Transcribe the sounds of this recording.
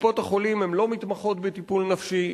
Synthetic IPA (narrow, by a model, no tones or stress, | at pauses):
po̞t̪aχo̞limemlo̞mit̪maχo̞t̪bet̪ipulnafʃi